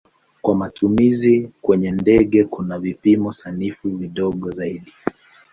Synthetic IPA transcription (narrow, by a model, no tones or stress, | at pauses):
kwamatʰumizikwɛɲɛndɛɠɛkunavipimɔsanifuviɗɔɠɔzaiɗi